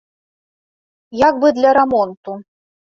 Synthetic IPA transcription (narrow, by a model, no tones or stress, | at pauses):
jaɡbɨd̪lʲɐɾamɔnt̪u